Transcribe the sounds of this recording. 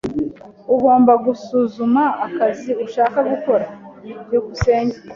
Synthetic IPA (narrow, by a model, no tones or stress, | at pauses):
uɡo̞ːmbaɡusuzumaːkaziuʃaːkaɡuko̞ɾajuɡuse̞ːɲɟa